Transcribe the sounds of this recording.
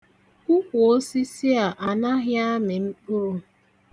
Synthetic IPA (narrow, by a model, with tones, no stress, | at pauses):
ʊ˦kʷʊ˨o˦si˦si˦a˨ʔa˨na˦ɦɪ˦a˦mɪ˨m̩˦k͡pʊ˦ʊ˦